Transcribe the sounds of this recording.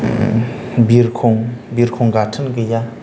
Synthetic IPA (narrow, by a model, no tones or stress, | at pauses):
birkʰoŋɦbirkʰoŋɡaʈ͡ʂʰənkəja